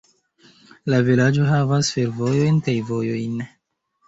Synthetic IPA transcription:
lavilad͡ʒo̞ɦavasfe̞ɾvo̞jo̞jnkajvo̞jo̞jn

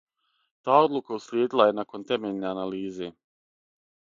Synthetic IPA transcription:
t̪aːo̞d̪lˠukausljeːd̪ilˠaje̞nako̞nt̪e̞meʎʲneanaliːze

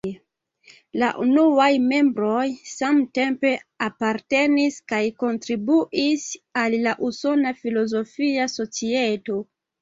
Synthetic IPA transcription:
la̰ʔṵnuajme̞mbɾo̞jsamte̞mpe̞apaɾte̞niskajko̞ntɾibuʔisalːaʔuso̞nafilo̞zo̞fiaso̞t͡sieto̞

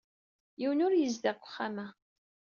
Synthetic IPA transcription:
jiwənʊɾjəzd̪ækʷːə̥χːamæ

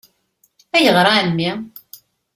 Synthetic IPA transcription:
æjəʁɾˤamːi

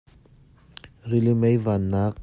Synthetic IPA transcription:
rilimejvanːak̚

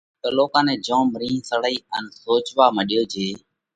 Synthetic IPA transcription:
t̪əloːkãːnẽːd͡ʒõːmɾĩːsəɽəiːənsoːt͡ʃʋaːməɗɪjoːd͡ʒeː

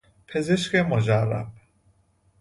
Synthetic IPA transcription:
pʰezeʃkemod͡ʒærːæ̰b̥̚

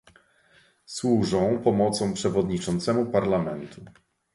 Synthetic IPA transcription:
swuʐɔ̃w̃pɔmɔt̪sɔ̃w̃pʂɛvɔd̪ɲit͡ʂɔnt̪sɛmupaɾlamɛnt̪ʰu

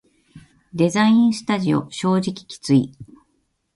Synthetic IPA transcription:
d̪e̞zaĩɰ̃sɨ̥t̪aʑio̞̰ɕo̞ːʑikʲi̥kʲi̥t͡sɨḭ

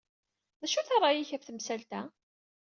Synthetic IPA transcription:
ðæʃuθɑrˤːɑjiçæfθəmsælt̪æ

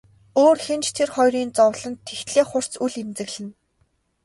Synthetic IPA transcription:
oːrxent͡ɕt̪ʰerχɔjɾiːnt͡sɔwɮə̆nt̪ʰːext̪ɮeːχʊr̥t͡suɮemt͡sɘ̆ɣɮɘ̆n

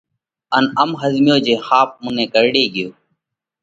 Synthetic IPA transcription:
ənəmɦəzmɪjoːd͡ʒeːxaːp̚mʊnẽːkəɾɽeːɡɪjoː

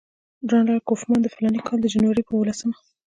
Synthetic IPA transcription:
ɖɑnlɑjkofmɑnd̪əfɪlɑnikʰɑld̪əd͡ʒanwaɾipəwolasəma

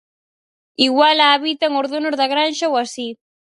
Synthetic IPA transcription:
iɣwalaːβit̪aŋoɾðonozðaɣɾanʃawasi

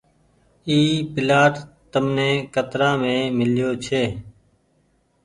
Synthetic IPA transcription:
iːpɪlaːʈt̪əmnẽːkət̪ɾãːmẽːmɪljoːt͡ʃʰeː

